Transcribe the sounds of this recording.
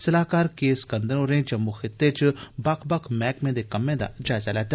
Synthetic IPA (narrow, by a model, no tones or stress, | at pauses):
səlaːkaːɾkeːskə̃nd̪əɾoːɾẽːd͡ʒəmːuːxʰɪt̪ːeːt͡ʃbɐkʰbɐkʰmɛːkmẽːd̪eːkəmːẽːd̪a̰ːd͡ʒaːɪzalɛːt̪a